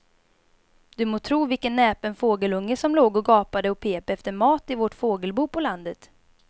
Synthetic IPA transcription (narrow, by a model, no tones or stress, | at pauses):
d̪̥ɵmoːt̪ʰɾuːvɪlkənːɛːpɛnfoːɡəlɵŋːəsɔmloːɡɔɡɑːpad̪əɔpʰeːpɛft̪əɾmɑːt̪ɪvɔʈfoːɡəlbuːpʰɔland̪ət̪